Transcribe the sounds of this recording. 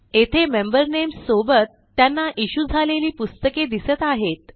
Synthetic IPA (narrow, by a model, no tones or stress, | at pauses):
et̪ʰemembəɾnemsobət̪ːjanːaʔiɕud͡zʱaleliːpust̪əked̪isət̪aɦet̪̚